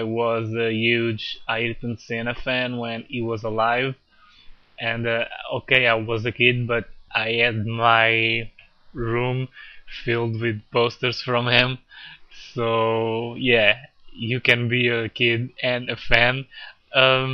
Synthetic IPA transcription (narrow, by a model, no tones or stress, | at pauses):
ɪwʌzɨhjʉd͡ʒaɪdɪdⁿn̩tsẽnɨfæ̃nwɛ̃niwʌzəlaɪv | ʔɨ̃nʌoʊkeɪaɪwʌzɨkɪd̚bʌɾʔaɪhɨd̚maɪ | ɹũmfɪlˠd̚wɪðpoʊstə˞z̥fɹʌ̃mhɪ̃msoʊjæ | jɨkɨ̃nbiɨkʰɪdɨ̃nɨfæ̃n | ʌ̃m